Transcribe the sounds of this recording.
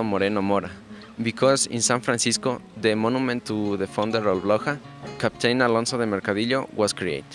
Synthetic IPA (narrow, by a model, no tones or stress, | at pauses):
omoɾenomoɾa | bikʰosḭ̃nsãnfɾãnsiskoðemonumẽnt̪ːuðefõnd̪eɾolbloxakapt̪ʰejnalõnsoðemeɾkaðiʎo̰wɔskɾiḛjt̪